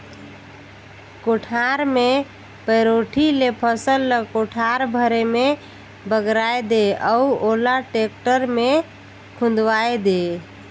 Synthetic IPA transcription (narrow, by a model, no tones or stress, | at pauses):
koʈʰaɾme | pəɾoʈʰilepʰəsəlːəkoʈʰaɾbʱəɾeme | bəɡɾajd̪eəuolaʈek̚ʈəɾme | kʰũnd̪wajd̪e